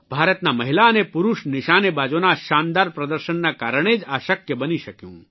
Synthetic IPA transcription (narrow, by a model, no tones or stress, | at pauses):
bʱaːɾət̪namɐɦilaənepʊɾuʃnɪʃaːnebaːd͡ʒonaʃaːnd̪aːɾpɾɐd̪əɾʃənːakaːɾəɽ̃ed͡ʒaːʃəkjəbəniʃɐkjṵ̃ː